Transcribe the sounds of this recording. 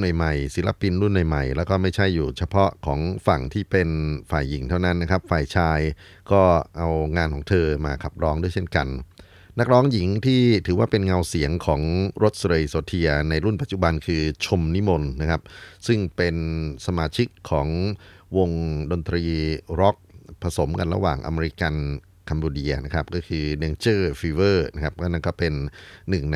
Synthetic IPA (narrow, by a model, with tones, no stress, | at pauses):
nu˨˩jma˨˩jsi˩˦la̰˧pi˧nɾu˥˩nː˨˩jma˨˩jlɛː˦˥wkɔː˥˩ma˥˩jt͡ɕʰa˥˩jːuː˨˩t͡ɕʰa˧pʰɔ˦˥ʔkʰɔː˩˦ŋfa˨˩ŋt̪ʰiː˥˩pe˧nfaː˨˩jːi˩˦ŋt̪ʰa˥˩wna˦˥nːa˦˥kʰa˦˥p̚faː˨˩jt͡ɕʰaː˧j | kɔː˥˩ʔa˧wŋaː˧nkʰɔː˩˦ŋt̪ʰɤː˧maː˧kʰa˨˩p̚ɾɔː˦˥ŋdu˥˩əjt͡ɕʰe˥˩nka˧n | na˦˥k̚ɾɔː˦˥ŋji˨˩˦ŋt̪ʰiː˥˩t̪ʰɯː˩˦waː˥˩pe˧nŋa˧wsi˩˦əŋkʰɔː˩˦ŋɾo˦˥t̪̚sɾe˧jsoː˧t̪ʰi˧ɐna˧jɾu˥˩npa˨˩t̪̚t͡ɕu˨˩ba˧nkʰɯː˧t͡ɕʰo˧mni˦˥mo˧nːa˦˥kʰa˦˥p̚sɯ˥˩ŋpe˧nsa˧maː˧t͡ɕʰi˦˥kʰːɔː˩˦ŋwo˧ŋdo˧nt̪ɾiː˧ɾɔ˦˥k̚pʰa˧so˩˦mka̰˧nɾa̰˧wa̰ː˨˩ŋʔa̰˧me˧ɾi˦˥ka˧n | kʰa˧mboː˧di˧ɐna˦˥kʰa˦˥p̚kɔː˥˩kʰɯː˧neː˧ŋt͡ɕɤː˥˩fiː˧wɤː˥˩na˦˥kʰa˦˥p̚kɔː˥˩na˥˩nkɔː˥˩pe˧nːɯ˨˩ŋn˧